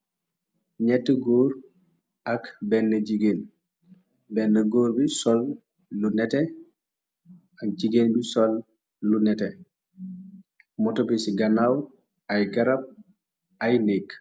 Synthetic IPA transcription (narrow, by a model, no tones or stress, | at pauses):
ɲɛtːɛɡoːɾ | ɐkbɛnːɐɟiɡen | bɛnːɐɡoːɾbisɔlː | unɛtɛ | ɐk̚d͡ʒiɡenbisɔlː | unɛtɛ | mɔtobisiɡɐnaw | ʔajɡɐɾap̚ | ʔajnik